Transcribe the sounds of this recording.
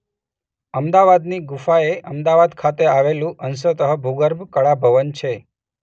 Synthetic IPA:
əmd̪aʋad̪niɡufaeʔəmd̪aʋad̪kʰat̪eaʋelũʔəns̬ət̪əɦəbʱuɡəɾbʱkəɭabʱəʋənt͡ʃʰe

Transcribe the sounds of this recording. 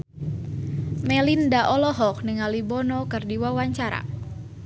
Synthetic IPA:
mɛlindaʔɔlɔɦɔk̚nɪŋalibɔnɔkɨrdiwawaɲt͡ʃaɾa̰

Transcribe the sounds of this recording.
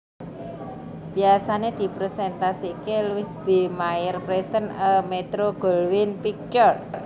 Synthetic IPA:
b̥i̤asaned̪̥i̤pɾesɛnt̪asikelwɪsb̥emaɪrpɾesənəmet̪ɾoɡ̥olwɪnpik̚t͡ʃɔr

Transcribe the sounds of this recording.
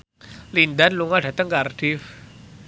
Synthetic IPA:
lind̪anluŋada̤t̪əŋkard̥if

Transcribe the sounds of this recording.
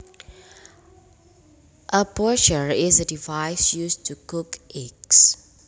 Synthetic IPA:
ʔəpɔʃəɹizədivaɪsjustʰukukʔɛks

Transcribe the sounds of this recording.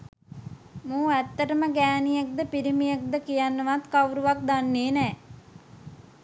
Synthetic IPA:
mũːæt̪ːəʈəməɡæːnijak̚d̪əpiɾimijak̚d̪əkijanːəʋat̪kauɾuʋak̚d̪anːeːnɛː

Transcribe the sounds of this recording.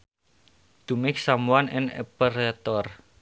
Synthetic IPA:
d̪̥ṳmɪk̚samuanɪ̰nɛ̰pəɾɛt̪ɔr

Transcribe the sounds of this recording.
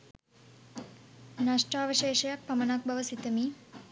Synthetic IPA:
naʂʈaːʋəʃeːʃɐjak̚pɐmɐnak̚bɐʋəsit̪əmiː

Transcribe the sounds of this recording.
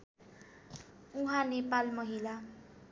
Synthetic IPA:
uɦãnepalmʌɦila

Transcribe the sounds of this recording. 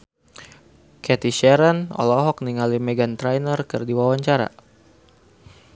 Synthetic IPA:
kɛt̪iʃɛɾənɔ̰lɔɦɔk̚niŋalimɛɡant̪ɾajnərkɨrdiwawaɲt͡ʃaɾa̰

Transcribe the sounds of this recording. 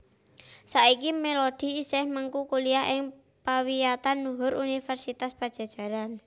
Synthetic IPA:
saikimelod̪̥i̤ːsɛhməŋkukuliaɦɪŋ | pawijat̪anːuɦʊɾʔunifɛrsit̪aspad̥ʒ̥a̤d̥ʒ̥a̤ɾan

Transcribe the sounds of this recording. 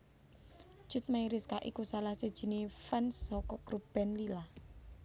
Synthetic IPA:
ʒ̥ṳt̪̚maiɾɪskaʔḭkusalahsed̥ʒ̥i̤nefansɔkɔɡ̥ɾub̥ɛnlila

